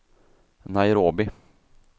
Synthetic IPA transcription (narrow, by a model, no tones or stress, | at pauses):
naɪɾoːbɪ